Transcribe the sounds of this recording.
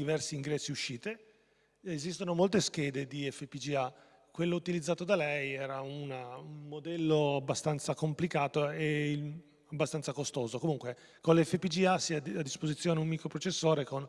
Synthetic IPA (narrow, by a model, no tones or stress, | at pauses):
d̪ivɛrsiːŋɡɾɛsːiuʃːiːt̪e | ezist̪onomolt̪esk̟ɛːd̪ed̪iɛfːepid͡ʒia | kwelːout̪ilid̪zːaːt̪od̪alɛjɛːɾaunaunmod̪ɛlːoabːast̪ant̪sakomplikaːt̪oe | abːast̪ant̪sakost̪oːzokomuŋkwe | konleɛfːepid͡ʒiasiad̪ːispozit̪sjoːneummiːkɾopɾot͡ʃesːoːɾekon